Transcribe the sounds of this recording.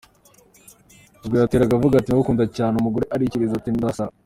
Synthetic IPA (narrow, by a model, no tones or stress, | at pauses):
bɡeɾateɾaɡavuɡatinwukuːndacaːneumuɡoɾeʔaɾiciɾizatindasaa